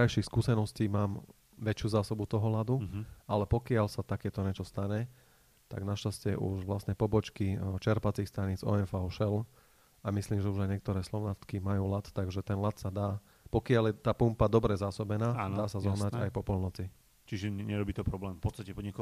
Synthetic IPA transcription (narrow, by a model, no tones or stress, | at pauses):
ajʃiːxskuːsɛnɔsciːmaːm | ʋɛt͡ʃɪuːzaːsɔbut̪ɔɦɔlad̪ualɛpɔkɪalsat̪akɛːt̪ɔɲɛt͡ʃɔst̪aɲɛ | t̪a̰ɡnaʃascɛʔṵʒʋlasɲɛpɔbɔt͡ʃkit͡ʃɛɾpat͡siːxst̪aɲid͡zɔ̰ɛnfaʊʃɛl | amisliːmʒɛuʒajɲɛk̚t̪ɔɾɛːslɔʊnat̪kimajuːlat̪t̪aɡʒɛt̪ɛnlat̪sad̪aː | pɔkɪaljɛt̪aːpumpad̪ɔbɾɛzaːsɔbɛnaːanaːsazɔɦnaɟa̰jpɔpɔlnɔt͡si | t͡ʃiʒɛɲɛɾɔbiːt̪ɔpɾɔblɛːmfpɔt̪t͡sst̪acɛpɔɲɛk